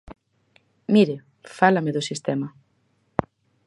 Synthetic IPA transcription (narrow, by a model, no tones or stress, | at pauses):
miɾɪ | falɐmɪðʊsist̪ɛmɐ